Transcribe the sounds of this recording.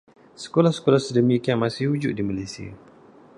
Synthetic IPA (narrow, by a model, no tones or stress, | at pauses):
sə̥kolahsə̥kolasədəmikianmasɪhhud͡ʒʊʔ̚diməlesia̰